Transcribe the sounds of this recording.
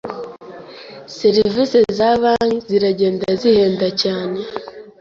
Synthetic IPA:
seɾivisezaβaːnziɾaɟe̞ːndazihe̞ːndacaːne̞

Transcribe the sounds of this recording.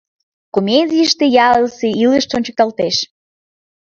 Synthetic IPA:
komʲedʲijəʃt̪ejɑləseiləʃt͡ɕonʲt͡ɕək̚t̪ɑlt̪eʃ

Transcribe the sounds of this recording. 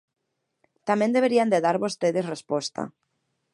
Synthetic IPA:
t̪amẽnd̪eβ̞eɾiand̪eðaɾβost̪eðesrespost̪a̰

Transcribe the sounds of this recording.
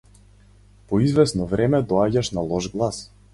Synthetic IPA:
pɔizvɛsnɔvɾɛmɛd̪ɔaɟaʃnalˠɔʒɡlˠas

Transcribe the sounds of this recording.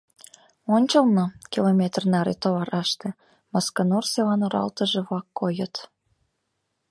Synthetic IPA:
onʲt͡ɕəlnokilomʲet̪rnɑɾet̪oβɑɾʔɑʃt̪ĕ | mɑskɤnorselɑnoɾɑ̰lt̪ə̆ʒĕβlɑkːojə̆t̪

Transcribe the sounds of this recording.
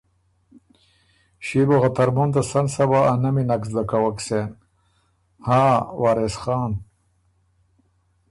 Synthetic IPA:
ɕiboɣat̪ɐɾmunt̪asɐnsɐbaːnɐminɐksd̪ɐkawɐksen | haːwaːɾesxaːn

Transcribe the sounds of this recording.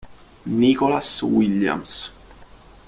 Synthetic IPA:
nikolaswilːja̰ms

